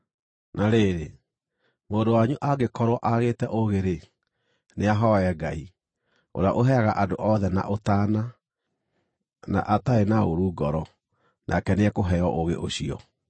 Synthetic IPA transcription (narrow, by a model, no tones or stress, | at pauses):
naɾeːɾe | moːndowaɲuʔaɡekɔɾwɔʔaɣeːtɛʔoɣeɾe | neaɦɔɛɡai | o̰ɾeaʔoɦɛaɣaʔadoʔɔðɛna̰ʔotaːna | na̰ʔataenaoɾuːɡɔɾɔ | nʔa̰kɛneɛkoɦɛɔʔoɣḛʔoɕiɔ̰